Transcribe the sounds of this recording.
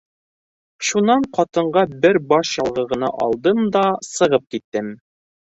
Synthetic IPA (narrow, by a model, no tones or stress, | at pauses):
ʃunɑɴqɒt̪ɤ̆ɴɢɑbɘɾbɑʃjɒlˠʁɤ̆ʁɤ̆nɑ̰ʔɒ̰lˠd̪ɤmd̪ɑsɤ̆ʁɤp̚kit̪ːɘm